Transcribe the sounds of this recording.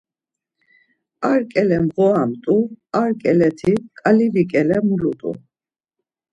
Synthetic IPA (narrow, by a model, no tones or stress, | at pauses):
aɾkʼɛlɛmʁɔamt̪ʼuaɾkʼɛlɛt̪ʰikʼalivikʼɛlɛmulut̪ʼṵ